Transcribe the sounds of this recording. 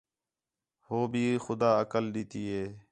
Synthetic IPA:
hoːbʱiːxʊd̪aːəkəlɗiːt̪iːɦeː

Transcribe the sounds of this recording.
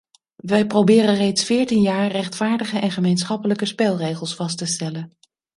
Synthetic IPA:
ʋɛjprowbɪːrərejtsfɪːɹtinjaːɹrɛχtfaːɹdəχəʔɛnχəmejnsχɑpələkəspɛlˠrejχəlˠsfɑstəstɛlən

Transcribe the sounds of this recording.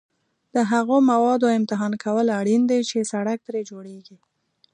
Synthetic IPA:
d̪̥əɦaɣomawɑd̪oɪmt̪ɪɦɑnkʰawəlaɽind̪ejt͡ʃesaɽak̚t̪ɾed͡ʒoɽeɡi

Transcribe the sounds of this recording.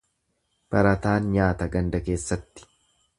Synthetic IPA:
b̥ɐɾɐt̪aːnɲaːt̪ɐɡɐnd̪ɐke̞ːsːɐt̪ːɪ̥

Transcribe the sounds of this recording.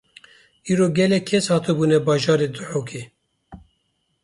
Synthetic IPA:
iːɾoːɡɛlɛkʰːɛshɑːt̪ɨbuːnɛbɑːʒɑːɾed̪ɨħoːkʰeː

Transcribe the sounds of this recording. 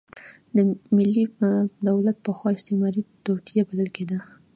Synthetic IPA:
d̪əmɪlːid̪awlat̪̚pəxwɑɪst̪emɑɾit̪ot̪ijabaləlked̪ə

